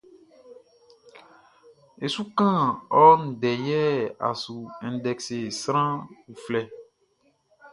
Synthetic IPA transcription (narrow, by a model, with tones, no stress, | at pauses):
e˨su˦kã˦ɔ˦n̩˨ɖɛ˨jɛ˦a̰˨su˨ɛ̃˨n˨dɛ˨kse˨sɾ̃ã˦wu˨flɛ˦